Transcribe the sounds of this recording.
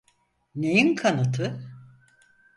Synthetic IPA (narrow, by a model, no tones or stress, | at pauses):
nejinkʰanɯt̪ʰɯ